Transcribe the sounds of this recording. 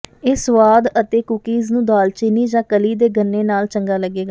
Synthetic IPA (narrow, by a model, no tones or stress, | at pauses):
eːsʊʋaːd̪ət̪eːkʊkiːznũːd̪aːlt͡ʃɪniːd͡ʒãːkəliːd̪eːɡənːeːnaːlt͡ʃəŋɡaːləɡːeːɡaː